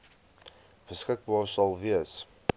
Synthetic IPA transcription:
b̥əskək̚bɑːrsɑlˠviəs

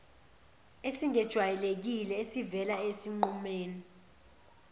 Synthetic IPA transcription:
esiŋɛd̥ʒ̥ʱwajɛlek̬ilɛesivɛlaesiŋ͡ǃumeːni

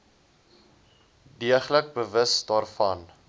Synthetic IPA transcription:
diəχlək̚bəvəsdɑːrfɐn

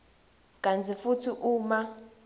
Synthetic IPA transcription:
kʼant͡sʰifutʰiʔuːma

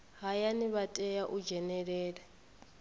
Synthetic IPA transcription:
ɦajaniβatʼɛjaʔud͡ʒɛnɛɺɛːɺɛ

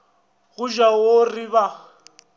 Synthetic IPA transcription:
ɣʊʒaworiβa

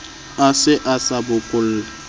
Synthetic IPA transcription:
asɪʔasabʊkʼʊl̩ː

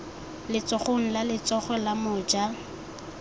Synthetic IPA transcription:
lɪt͡sɔχoŋ̩lalɪt͡sɔχɔlamʊːd͡ʒa

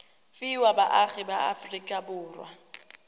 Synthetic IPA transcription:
fiwabaʔaɣɪbaa̰frikʼabʊːrwa̰

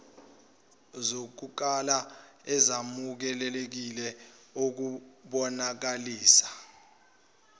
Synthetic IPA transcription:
zok̬uk̬ala | ɛzamuk̬ɛlɛlek̬ilɛok̬uɓɔnak̬aliːsḁ

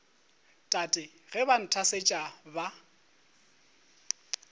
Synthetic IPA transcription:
tʼatʼɪ | ɣɛban̩tʰaset͡ʃʼaba

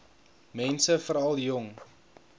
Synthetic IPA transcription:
mɛnsəfəɾɐlˠjɔŋ

